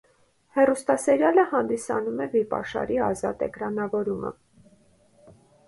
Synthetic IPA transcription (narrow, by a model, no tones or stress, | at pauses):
hɛrust̪ɑsɛɾjɑləhɑnd̪isɑ̰numɛvipɑ̰ʃɑ̰ɾiɑzɑt̪ɛ̰kɾɑnɑvɔɾumə̰